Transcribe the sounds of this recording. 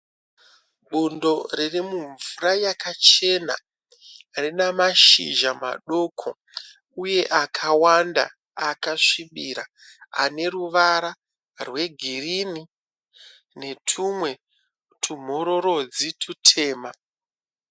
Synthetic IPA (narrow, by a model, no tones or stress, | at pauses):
ɓundo̞ririmuɱvurajakat͡ʃe̞na̰ | rinamaʃḭʒama̰ɗo̞kʰo̞̰ | uje̞ʔakʰawanda̰ | akaʂiɓiɾa | a̰ne̞ɾuʋaɾa | rwe̞ɡʱirini | ne̞tʰumwe̞ | tʰum̤o̞ɾo̞ɾo̞d͡zitʰutʰe̞ːma